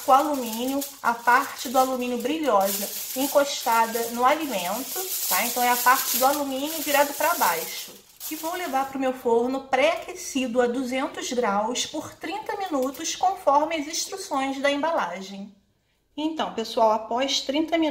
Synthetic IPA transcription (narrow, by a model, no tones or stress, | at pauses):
ʊalumĩnjʊ | a̰paɾt͡ʃɪd̪ʊalumĩnjʊbɾiʎɔzɐ | ẽŋkoʃt̪ad̪ɐnʊalimẽnt̪ʊt̪aẽnt̪ɐ̃w̃ɛapaɾt͡ʃɪd̪ʊalumĩnjʊviɾad̪ʊpɾabajʃʊ | ɪvowlevaɾpɾʊmewfoɾnʊpɾɛakesid̪ʊɐd̪uzẽnt̪ʊzɡɾawspʊɾt̪ɾĩnt̪ɐminut̪ʊskõfɔɾmɪɐzĩʃt̪ɾusõj̃zd̪ɐẽmbalaʒẽj̃ | ẽt̪ɐ̃w̃pesuawapɔʃt̪ɾĩnt̪ɐmĩ